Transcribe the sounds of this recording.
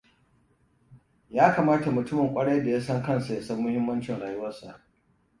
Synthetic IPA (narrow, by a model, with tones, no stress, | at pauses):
jaː˦kaː˨maː˦ta˨mʊ˨tʊ˦mɐ˨ŋkʷʼɐ˦ɽa˦da˨jaː˦sɐ˦ŋkɐ˦nsa˨ja˨sɐ˦mːʊ˦hɪ˦mːɐ˦nt͡ʃɪ˨ŋɽaː˨jʊ˦wɐ˦rsa̰˨ʔ